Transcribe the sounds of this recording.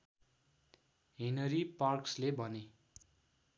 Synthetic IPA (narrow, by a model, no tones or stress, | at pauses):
ɦinʌɾiparkslebʱʌne